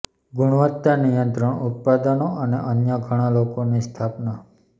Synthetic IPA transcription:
ɡʊɽ̃ʋət̪ːanijənt̪ɾəɳut̪̚pad̪ənoʔənḛʔənjaɡʱəɽ̃ãlokonist̪ʰapna

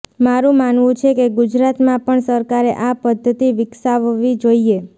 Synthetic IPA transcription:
maɾũmanʋũt͡ʃʰekeɡud͡ʒɾat̪mãpəɳsəɾkaɾeʔapəd̪ʱːət̪iʋɪksaʋʋid͡ʒoie

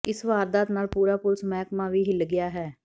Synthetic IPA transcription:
ɪsʋaːɾd̪aːt̪naːlpuːɾaːpʊlsmɛːkmãːʋiːɦɪlɡɪaːɦɛː

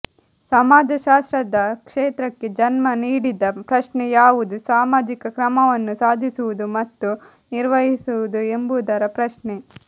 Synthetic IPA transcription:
sɐmaːd͡ʒɐʃaːst̪ɾɐd̪ɐkʂeːt̪ɾɐkːe̞d͡ʒɐnmɐniːɽid̪ɐpɾɐʃnejaːʋud̪usaːmaːd͡ʒikɐkɾɐmɐʋɐnːusaːd̪ʱisuʋud̪umɐt̪ːu | niɾʋɐɦisuʋud̪ue̞mbud̪ɐɾɐpɾɐʃɳe

